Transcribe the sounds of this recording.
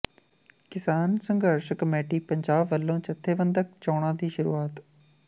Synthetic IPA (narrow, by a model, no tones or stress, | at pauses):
kɪsaːnsəŋɡəɾʃkəmeːʈiːpəɲd͡ʒaːbːəlːõːt͡ʃət̪ʰːeːbənd̪ək̚t͡ʃɔːɽãːd̪iːʃʊɾṵːaːt̪